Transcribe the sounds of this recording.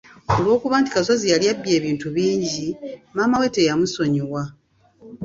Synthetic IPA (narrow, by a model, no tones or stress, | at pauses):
o̞lwo̞ːkuβaːnti̥kaso̞zijaljabje̞ːβiːntuβiːɲɟimaːmawe̞ːtejamuso̞ɲiwa